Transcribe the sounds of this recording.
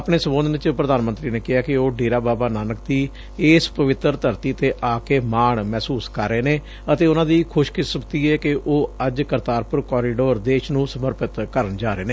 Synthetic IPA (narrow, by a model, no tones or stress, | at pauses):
apɳ̃eːsəmõːnd̪nt͡ʃpɾəd̪aːnmənt̪ɾiːneːkɪɦaːkɪoːɖeːɾaːbaːbaːnaːnək̚d̪iː | eːspəʋɪt̪əɾt̪əɾt̪iːət̪eːʔaːkeːmaːɳmɛːsuːskəɾːeːneː | ət̪eːʊnãːd̪iːkʰʊʃkɪsəkt̪iːɛːkɪʔoːəd͡ʒkəɾt̪aːɾpʊɾkɔːɾiːɖoːɾd̪eːʃnũːsəməɾpɪt̪kəɾəɳd͡ʒaːɾeːneː